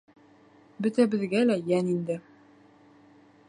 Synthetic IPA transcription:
bɵ̆t̪æbɘ̆ðɡælæjænind̪ɘ

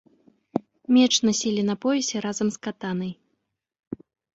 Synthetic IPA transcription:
mʲɛt͡ʂnasʲilʲin̪ɐpɔvʲɛsʲɛɾazɐmskat̪anɐj

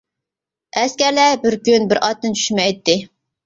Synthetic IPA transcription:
ɛskʲæɾlɛbɪɾkʲynbɪɾʔɑt̪ːɨnt͡ʃʰy̥ʃmɛjt̪ːɪ

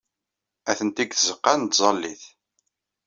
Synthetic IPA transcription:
æθənt̪iɡθəzəqːant̪zˤɑlːiθ

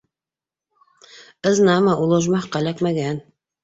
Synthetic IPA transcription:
ɤ̆znɑmɑulˠɤ̆ʒmɑχqɑlækmæɡæn

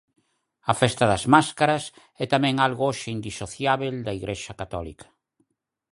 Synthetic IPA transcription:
ɐfɛst̪ɐðɐzmaskaɾɐs | ɛt̪amɛ̃ŋalɣooʃeind̪isoθjaβeld̪ɐiɣɾeʃɐkat̪ɔlḭkɐ̥

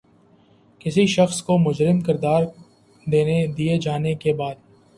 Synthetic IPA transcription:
kɪsiʃɐxskomʊd͡ʒɾɪmkɪɾd̪aːɾ | d̪eːned̪ied͡ʒaːnekebaːd̪

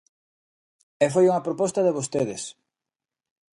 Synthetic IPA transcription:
ɛfojuŋɐpɾopɔst̪ɐðeβost̪eðɪs

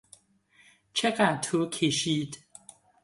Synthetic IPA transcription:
t͡ʃʰɛkatʰukʰiʃit

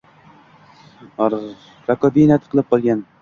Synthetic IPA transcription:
ɾakɒbinat̪qʰɨlˠɪp̚qʰɒlˠɡʲan

